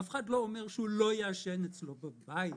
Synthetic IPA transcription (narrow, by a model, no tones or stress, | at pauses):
afeχadlo̞omeʁʃeulo̞jaːʃenet͡slo̞babai